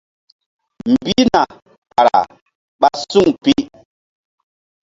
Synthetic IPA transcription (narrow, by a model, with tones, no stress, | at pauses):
m̩˨bi˦na˨ | pa˨ɾa̰˨ | ɓa˦su˦˨ŋpi˦